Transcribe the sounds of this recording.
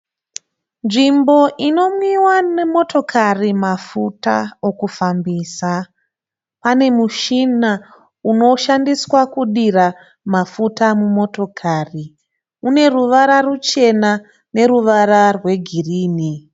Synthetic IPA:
nʐimbo̞ʔino̞mwiwanemo̞tʰo̞kʰarimafuta̰o̞kufambiːsa | pane̞muʃina | uno̞ʃandiswakuɗira | mafutamumo̞to̞kʰari | une̞ruʋaɾarut͡ʃe̞na | ne̞ɾuʋaɾarwe̞ɡʱiriːni

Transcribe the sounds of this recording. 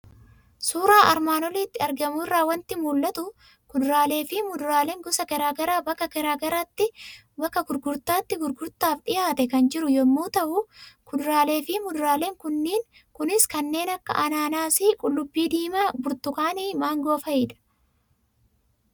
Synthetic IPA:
suːɾaːʔɐɾmaːnɔliːt̪ːɪɐɾɡɐmʊrːaːwɐnt̪ɪmuːlːɐt̪ʊ | kʊd̪ʊɾaːle̞ːfɪmʊd̪ʊɾaːleːŋɡɔsɐkɛɾaːɡɐɾaːbɐkːɐkɛɾaːɡɐɾaːt̪ːɪ | bɐkːɐɡʊɾɡʊɾt̪aːt̪ːɪɡʊɾɡʊɾt̪aːfɗɪjaːt̪ɛkɐnd͡ʒɪɾʊjɔmːuːt̪ɐʔʊkʊd̪ɾaːle̞ːfɪmʊd̪ʊɾaːleːŋkʊnːiːŋ | kʊnɪskɐnːe̞ːnɐkːɐ̰ʔɐnaːnaːsikʼʊlːʊbːiːd̪iːmɐbʊɾt̪ʊkaːniːmaːŋɡoːfɐɪːᶑɐ̥

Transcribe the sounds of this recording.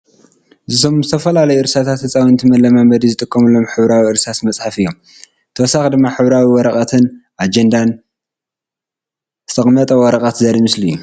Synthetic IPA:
zɨt̪ʰo̞mzɨt̪ʰɐfɐlalɐjuɨɾsat̪ʰat̪hɨt͡sʼawiɨnt̪ʰɨmɐlːɐmambɐd̪izɨt̪ʼɨkʼːɐmɨlo̞mħɨβɾawiɨɾsat̪mɐt͡sʼħafɨjːom | t̪ʰɐwɔsaxd̪ɨmːaħɨβɾawiwɔɾɐkʼɐt̪ʰɨnʔad͡ʒend̪an | zɨt̪ʰɐχʼmɐt̪ʼɐwɔɾɐkʼɐt̪zɐɾimɨslijːu

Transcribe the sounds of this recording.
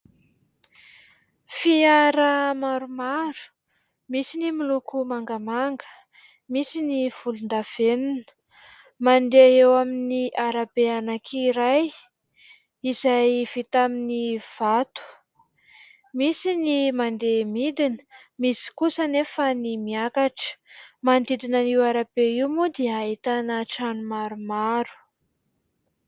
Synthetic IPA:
fiaɾəmaɾumaɾu̥ | misinimilukumaŋɡəmaŋɡə̥ | misiniv̥ulund̪av̥eninə̥ | mandeewaminiʔaɾabeanakʰiɾaj | izajv̥it̪aminiv̥at̪u̥ | misinimand̪emid̪inə̥misi̥kusanefanimiakaʈ͡ʂə̥mand̪id̪inaniwaɾabeiwmud̪eaɦit̪anəʈ͡ʂanumaɾumaɾu̥

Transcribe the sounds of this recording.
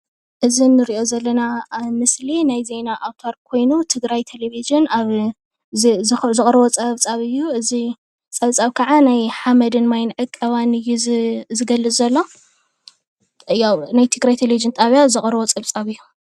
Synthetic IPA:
ʔɨzinːɨɾiʔo̞zɐlːɐnamɨslinajze̞naʔawt̪ʰoɾkʰo̞jnut̪ʰɨɡɾajt̪ʰeleviʒɨnaβ | zɨχʼɾɐβot͡sʼɐβt͡sʼaβɨjːuʔɨzi | t͡sʼɐβt͡sʼaβkʰɐʕanajħamɐd̪ɨnmajnʕɨkʼːɐβanɨjːuzɨɡɐlːɨt͡sːɐlːo̞ | ɨjawnajt̪ʰɨɡɾajt̪ʰelevid͡ʒɨnt̪ʼaβjazɨxʼɾɐβot͡sʼɐβt͡sʼaβɨjːu

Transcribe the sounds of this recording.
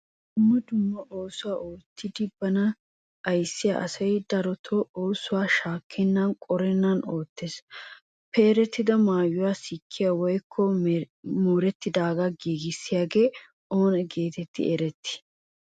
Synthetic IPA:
ʊmːɐd̪ʊmːɐʔoːsʊwaːʔoːt̪ːɪd̪ɪbɐnɐː | jsːɪja̰ʔɐsɐjd̪ɐɾɔt̪ʰɔʔoːsʊwaːʃaːkʰːɛnːɐnkʼɔɾɛnːɐnoːt̪ːeːs | pɛɛɾɛt̪ːɪd̪ɐmaːjːʊwaːsɪkʰːɪjawɔjkʰːɔ | moːɾɛt̪ːɪd̪aːɡɐɡiːɡɪsːɪjaːɡe̞ː | o̞ːnɛɡe̞ːt̪ɛt̪ːɪ̰ʔɛɾɛt̪ːɪ̥

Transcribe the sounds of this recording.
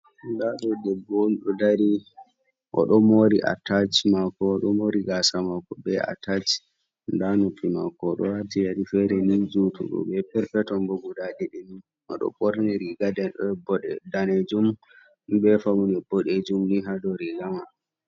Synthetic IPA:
ndaɗɔdɛbːonɗɔdaɾi | ʔɔ̰ɗɔmoɾiʔa̰tat͡ʃmakːɔːɗɔmoɾiɡasamakːɔbɛa̰tat͡ʃ | ndanupːima̰kɔːɗɔ̰watijaɾifɛɾɛnid͡ʒutʰṵɗɔ̰bɛpɛɾpɛtɔnbɔɡudadiɗin | ɔ̰ɗɔ̰ɓʼɔɾniɾiɡadɛnɗɔbɔɗɛdaned͡ʒum | bɛfawunɛbɔɗed͡ʒumniɦadɔɾiɡama

